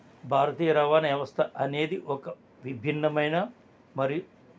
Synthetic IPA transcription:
bʱaːɾɐt̪iːjɐɾɐːʋaːnɐjɐʋɐst̪ʰɐʔɐneːd̪iʔɔkɐ | ʋibʱinːɐmɐjnɐ | mɐɾiju

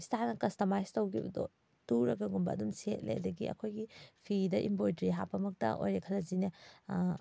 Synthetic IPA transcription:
istʰanɐkɐstɐmajstɐwkʰibɐ̰dɔ̰ | tuɾɐɡɐɡumbɐ̰ɐ̰dumset̚lḛʔɐ̰dɐɡḭɐ̰kʰojɡipʰidɐʔḭmbojdɾiɦa̰pʰɐmɐk̚tɐ̰ʔo̰jɾɐkʰɐlɐzinɐ

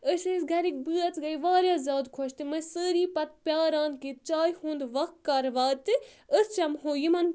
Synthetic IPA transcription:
əsesɡʱɐɾik̚bɨːɐt̪ʰɡɐiʋaːɾʲjaːzʲaːd̪kʰoʃt̪ɨmɐsəːɾiːpɐt̪̚pʲjaːɾãːnd̪̚kit̪t͡ʃaːjhũːnd̪ʋɐk̪kːɐɾʋaːt̪ɨəst͡ʃɐmɦoːjimɐn

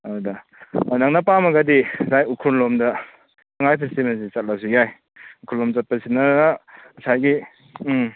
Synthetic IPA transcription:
aɾda | onaŋnapamaɡadisajukʰunlɔmdɐ | ɐŋajpʰistimens̬isat̚lasijaj | ukʰulɔmsat̚pɐsinanasajɡi

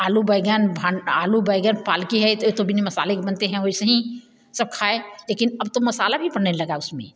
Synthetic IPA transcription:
aːlubəɪɡaːnbʱãna̰ːlubaɪɡaːnpaːlkiɦɛt̪ot̪obʱinemɐsa̰ːlekbɐnt̪eɦɛ̃ɦoisɐɦĩ | sɐb̚kʰaːeleːkɪnɐb̚t̪omɐsaːlabʱipɐɽnelɐɡaʊsmḛ̃

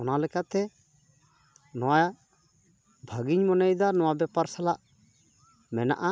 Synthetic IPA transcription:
ɔnalɛkaʔt̪ɛ | nɔwa | bʱəɡiɲmɔnɛjd̪anɔwabɛpaɾsalaʔ | mɛna̰ʔa

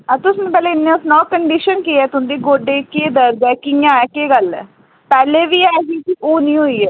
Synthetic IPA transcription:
əɾt̪ʊsnẽːpɛːleːɪnːẽːʊsnɔːkəɳɖiʃənkiːɛːt̪ʊɦnd̪iːɡoːɖeːkeːd̪əɾd̪ɛːkɪjãːɛːkeːɡəlɛ̰ː | pɛːleːʋiːɛːɡiːkiʔoːnĩːɦoːiːɛː

